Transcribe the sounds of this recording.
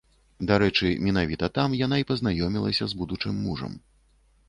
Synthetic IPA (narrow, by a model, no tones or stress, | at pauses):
d̪aɾɛt͡ʂɨmʲin̪avʲit̪ɐt̪amjan̪aipɐznajɔmʲilˠɐsʲɐzbud̪ut͡ʂɨmːuʐɐ̰m